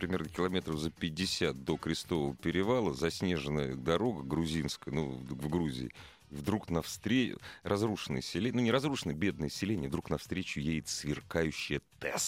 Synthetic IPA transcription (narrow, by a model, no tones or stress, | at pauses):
pɾʲɪmʲe̞rnəkʲɪlˠɐmʲe̞t̪ɾəvzəpʲɪdʲːɪsʲat̪̚d̪o̞kɾʲɪst̪o̞vəvəpʲɪɾʲɪvalˠəzɐsʲnʲe̞ʐɨnːəjəd̪ɐɾo̞ɡəɡɾʊzʲinskəjənuvɡɾuzʲɪ̰ɪ | vd̪ɾuknɐfst̪ɾʲerʔɐzruʂɨnɨ̰sʲɪlʲenunʲɪɾɐzɾuʂɨnəjəbʲe̞d̪̚nəjəsʲɪlʲenʲɪəvd̪ɾuknɐfst̪ɾʲet͡ɕʊjejɪt̪svʲɪrkajʉɕːɪjət̪ɛ̰s